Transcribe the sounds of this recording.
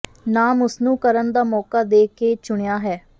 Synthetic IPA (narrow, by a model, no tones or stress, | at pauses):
naːmʊsnũːkəɾənd̪aːmɔːkaːd̪eːkeːt͡ʃʊɳejaːɦɛː